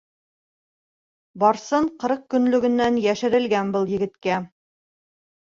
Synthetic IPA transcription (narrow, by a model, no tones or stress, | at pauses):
bɒɾsɤɴqɤ̆ɾɤq̚kɵ̆nlɵ̆ɡɘ̆nːænjæʃɘ̆ɾɘ̆lɡænbɤlˠjɘ̆ɡɘ̆t̪kæ